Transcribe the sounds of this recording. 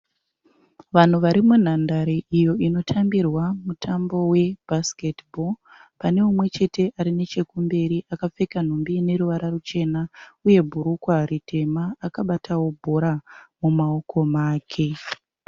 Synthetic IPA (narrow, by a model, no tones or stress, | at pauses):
ʋan̤uʋaɾimun̤andaɾeʔijo̞ʔino̞tʰambirwamutʰambo̞we̞bʱasketbo̞ | pane̞umwe̞t͡ʃe̞te̞ʔaɾine̞t͡ʃe̞kumbe̞ɾiʔakap͡fe̞kan̤umbine̞ɾuʋaɾarut͡ʃe̞nauje̞bʱuɾukwaritʰe̞maːkaɓatʰawo̞bʱo̞ɾamumao̞kʰo̞maːkʰe̞